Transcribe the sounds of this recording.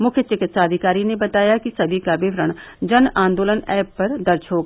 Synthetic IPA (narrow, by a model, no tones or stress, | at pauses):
mʊkʰjət͡ʃɪkɪt̪saːd̪ʱɪkaːɾinebɐt̪aːjakisɐbʱikabɪʋɾəɽ̃d͡ʒɐnãːnd̪oːlənɛːpːɐɾd̪ɐɾt͡ʃʰɦoːɡ